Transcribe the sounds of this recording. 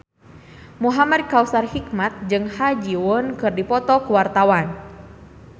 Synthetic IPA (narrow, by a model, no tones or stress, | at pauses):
muɦamad̚kausarhik̚mat̪̚d͡ʒɨŋhad͡ʒiwʊnkɨrdipɔt̪ɔkuwart̪awan